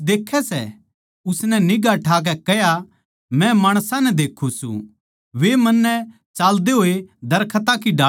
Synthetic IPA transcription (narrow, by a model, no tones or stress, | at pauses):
d̪eːkʰːɛsɛ̰ | ʊsnɛnɪɡaʈʰaːk̬ɛkɛɦja | mɛ̃maːɽ̃sãnɛd̪eːkʰːusṵ̃ | ʋemɐnːɛ | t͡ʃaːld̪eɦoːed̪ɐɾkʰət̪akiɖaː